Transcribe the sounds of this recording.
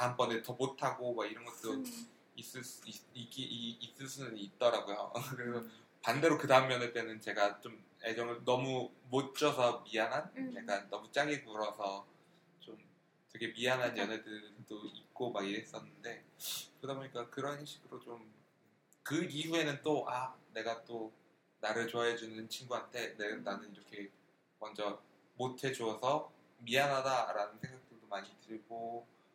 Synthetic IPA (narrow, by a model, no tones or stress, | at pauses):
aambʌnetʌmotʰaɡomaɡiɾʌnɡʌt̚t͈o | is͈ɯɭs͈iɡiːs͈ɯɭs͈unɯnit̚t͈ʌɾaɡojo̰kɯɾe̞sʰʌ | pande̞ɾokɯdaɯmjʌnet͈e̞nɯnt͡ɕe̞ɡat͡ɕom | e̞d͡ʑʌŋɯɭnʌmumot͡ɕ͈ʌsʰʌmianɦanjak͈annʌmut͡ɕ͈aɡiɡuɾʌsʰʌ | t͡ɕom | twe̞ɡe̞mianɦanjʌnɦe̞dɯɭd͈oit̚k͈omaɾiɦe̞s͈ʌnːɯnde̞kɯdaboɲik͈akɯɾʌnɕʰi̥ɡɯɾot͡ɕom | kɯiɦue̞nɯnt͈oʔane̞ɡat͈o | naɾɯɭt͡ɕoɦaɦed͡ʑunɯnt͡ɕʰinɡuantʰe̞nenːanɯniɾʌkʰe̞ | mʌnd͡ʑʌ | motʰe̞d͡ʑoʌsʰʌ | miɦanɦadaɾanɯnsʰe̞ŋɡak̚t͈ɯɭdomaɲitɯɭɡo